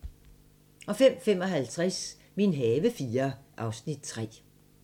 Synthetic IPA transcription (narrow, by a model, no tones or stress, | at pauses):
ɒ̽fem̰fem̰ɒ̽ɦælt͡sʰʁas | minɦɛːʋəfiːɐʔɑ̈ʊsnid̥̚t͡sʰʁɛ̰ː